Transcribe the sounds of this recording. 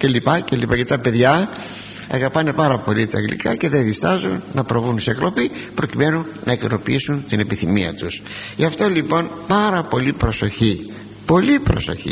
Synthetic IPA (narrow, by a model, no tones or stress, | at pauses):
ce̞lipɐce̞lipɐcet̪ɐpe̞ðʝɐ | ɐ̰ɣɐpɐne̞pɐɾɐpo̞lit̪ɐ̰ŋɡlḭkɐce̞ðeðist̪ɐzunːɐpɾo̞vunseklo̞pipɾo̞cime̞nunːɐekno̞piisunt̪ine̞piθimiɐ̰t̪us | ʝɐft̪o̞lipo̞npɐɾɐpo̞lipɾo̞so̞çi | po̞lipɾo̞so̞̰çḭ